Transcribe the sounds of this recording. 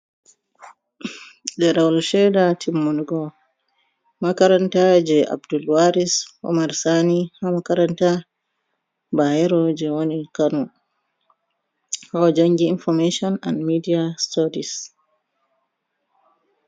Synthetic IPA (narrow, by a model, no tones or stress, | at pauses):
dɛɾawlʃɛdatʰimːunuɡɔ | makaɾantad͡ʒɛʔa̰bdulwaɾisɔ̰maɾsanihamakaɾanta | bahɛɾɔd͡ʒɛwonikanɔ | haɔd͡ʒaŋɡiːnfɔɾmeʃɔna̰nmidiastɔɾis